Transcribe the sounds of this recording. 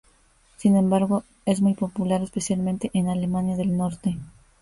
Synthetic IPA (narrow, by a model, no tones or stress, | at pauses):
sinẽ̞mbaɾɣo̞ | e̞zmujpo̞pulaɾespe̞sjalmẽnt̪e̞ʔenale̞manjaðe̞lno̞ɾt̪e̞